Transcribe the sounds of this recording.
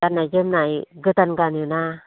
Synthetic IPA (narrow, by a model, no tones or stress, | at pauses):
anajzɯmnajɡɯtanɡanuna